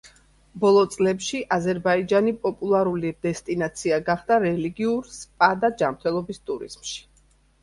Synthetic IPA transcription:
bɔlˠɔt̪sʼlɛpʃiʔazɛɾbaid͡ʒanipʼɔpʼulˠaɾulid̪ɛst̪ʼinat̪sʰiaɡaχd̪aɾɛliɡiuɾspʼad̪ad͡ʒamɾt̪ʰɛlˠɔbist̪ʼuɾḭz̥mʃi̥

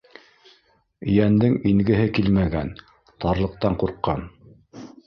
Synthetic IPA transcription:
jænd̪ɘŋiŋɡɘ̆ɦɘkilmæɡæ̰n | t̪ɑɾlˠɤ̆q̚t̪ɑɴquɾqːɑn

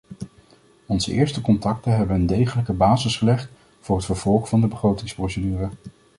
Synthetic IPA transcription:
ɔnzəʔɪːɹstəkɔntɑk̚təɦɛbənəndejχələkəbaːzəsχəlɛχt | vʊːɹɦətfəɹv̥ɔlˠχvɑndəbəχrowtɪŋsprowsədyːrə

